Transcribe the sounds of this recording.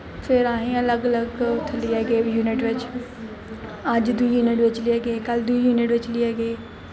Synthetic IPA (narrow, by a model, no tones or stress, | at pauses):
fʰɪɾaːɦĩɐləɡɐləɡʊt̪ʰəliaɡeːjuːnɪʈʋɪt͡ɕɪ̥ | ɐd͡ʒd̪uijuːnɪʈʋɪt͡ɕliəɡeːkɐld̪uijuːnɪʈʋɪt͡ɕliəɡeː